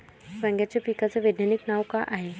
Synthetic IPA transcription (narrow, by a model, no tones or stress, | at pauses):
ʋə̃ŋɡjat͡ɕapikat͡seʋed̪naniknaʋkaʔaɦe